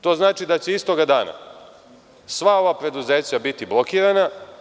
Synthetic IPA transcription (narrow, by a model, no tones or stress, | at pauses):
t̪o̞ːznaːt͡ʃid̪at͡ɕeist̪o̞ɡad̪aːna̰ | sʋao̞ʋapɾe̞d̪uze̞ːt͡ɕabit̪iblˠo̞kiːɾana